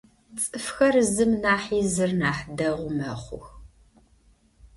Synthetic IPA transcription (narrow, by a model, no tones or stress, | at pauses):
t͡sʼɨfxɐrzɨmnaːħiːzɨrnaːħdɐʁʷʊmɐχʷʊ̰x